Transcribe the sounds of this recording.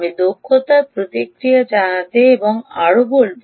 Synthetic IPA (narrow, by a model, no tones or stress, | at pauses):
med̪okʰːot̪ɐpɾot̪ikɾijɐd͡ʑanɐt̪eːbɔŋaɭuboɭb